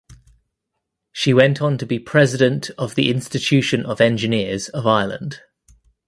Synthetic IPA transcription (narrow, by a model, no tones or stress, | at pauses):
ʃiwɛ̃ntʰn̩tʰəbipʰɹ̥ɛzɪdə̃ntʰəvðḭʔɪ̃nstɪt͡ʃʰʉˑʃə̃nəvɛ̃nd͡ʒɪnɪəz̥əvaɪələ̰̃nd̥